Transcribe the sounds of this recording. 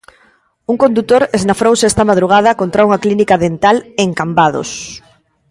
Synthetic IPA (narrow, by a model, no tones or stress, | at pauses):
uŋkond̪ut̪oɾeznafɾowseɛst̪ɐmað̞ɾuɣ̞að̞ɐkont̪ɾauŋaklinikaðent̪aleŋkambað̞o̰s